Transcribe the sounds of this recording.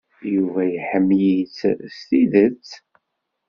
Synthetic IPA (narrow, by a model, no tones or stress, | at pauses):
juvæjəħəmːjit͡sst̪iðət͡sː